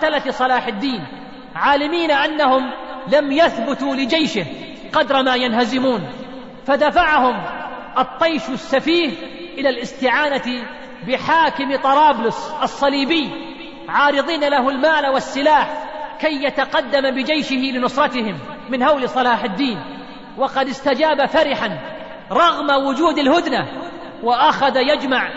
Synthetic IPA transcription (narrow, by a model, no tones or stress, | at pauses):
alaθsˤɑlaːħɪd̪ːiːn | ʕaːlɪmiːnaʔanːahʊmlamjaθbʊt̪ulɪd͡ʒajʃɪh | qɑd̪ɾˤɑmaːjanhazɪmuːn | fad̪afaʕahʊm | ʔɑt̪ˤːɑjʃsːafiːh | ʔɪlalʔɪst̪ɪʕaːnat̪ɪ | bɪħaːkɪmt̪ˤɑɾˤɑːblʊsʔɑsˤːɑliːbɪjː | ʕɑːɾɨðˤiːnalaɦʊlmaːlawɑsːɨlaːħkajːjat̪aqɑd̪ːambɪd͡ʒajʃɪhɪlɪnʊsˤɾˤɑt̪ɪhɪmː | ɪnhawlɪsˤɑlaːħɪd̪ːiːn | wɑqɑd̪ɪst̪ad͡ʒaːbafaɾɪħan | ɾˤɑɣmawʊd͡ʒuːd̪alhʊd̪na | waʔaxaðajad͡ʒmaʕ